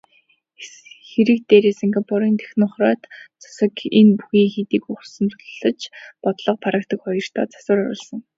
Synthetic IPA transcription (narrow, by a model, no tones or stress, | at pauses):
xeɾɘ̆k̚t̪eːɾiːsiŋɡapʰɔɾiːnt̪ʰe̥xnʊχrɔːt̪t͡sʰḁsə̆kenpuxiːŋxet̪iːkʊχsə̆nt͡s̪ʰʊ̥ɮə̆t͡ɕpɔt̪ɮɞ̆q̚pʰaɾə̆k̚t̪ə̆kχɔjɞ̆r̥t̪ʰɔ̰ːt͡sḁsʊːɾʊ̰ɾə̰̆ɮsə̆ŋ